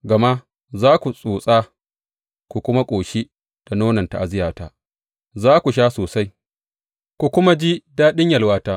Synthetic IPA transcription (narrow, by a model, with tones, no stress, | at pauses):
ɡɐ˨ma˦ | zaː˦kʷu˨sʼuː˨sʼaː˦ | kʷu˨kʷʊ˦ma˦kʷʼoː˨ʃi˦ | d̥a˨noː˦nɐ˨nta˨ʔa˨zɪ˦jaː˨ta˦ | zaː˦kʷu˨ʃ̬aː˦soː˨sa˦j | kʷu˨kʷʊ˦ma˦d͡ʒi˦daː˦ɗɪ˦ɲjɐ˨lwaː˦taː˦